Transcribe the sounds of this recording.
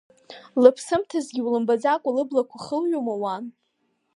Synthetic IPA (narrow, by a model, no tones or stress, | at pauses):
lɨpʰsɨmtʰazɡʲiwlɨmbad͡zakʷʼalɨblakʷʰaχəlɥomawan